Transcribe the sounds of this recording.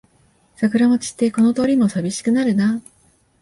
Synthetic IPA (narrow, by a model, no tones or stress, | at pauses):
sakɯ̟ɾamo̞t͡ɕi̥t̪ːe̞ko̞no̞t̪o̞ːɾʲimo̞sabʲiɕi̥kɯ̟naɾɯ̟na